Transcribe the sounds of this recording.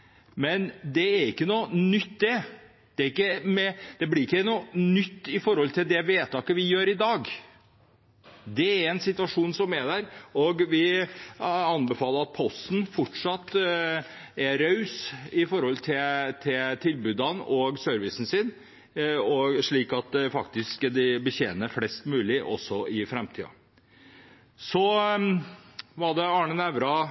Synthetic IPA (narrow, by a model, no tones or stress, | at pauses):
mɛnd̪ɛæɾɪkːənunʏt̪ːd̪ɛ | d̪̥ɛæɾɪkːəmɛd̪̥ɛblɪɾɪkːənunʏt̪ːɪfɔɾhɔlt̪ʰɪld̪ɛʋeːt̪ʰɑːkəʋɪjøːɾɪd̪ɑːɡ | d̪ɛæɾɛnsɪt̪ʉɑʂuːnsɔmæd̪æɾɔɡʋɪ | ɑnbɛfɑːləɾɑt̪̚pʰɔst̪n̩fɔʈʂɑt̪ː | æɾœʉsɪfɔɾhɔlt̪ʰɪt̪ʰɪlt̪ʰɪlbʉːd̪ɑnɔɡsœɾʋɪsn̩sɪn | ɔɡʂɭiːkɑt̪fɑkt̪ɪskd̪ɪbəçeːnəflɛst̪mʉːlɪʔɔ̰sːɔɪfɾɛmt̪ʰḭːɑ̰ | sɔ | ʋɑd̪ɛɑːɳənæʋɾɑ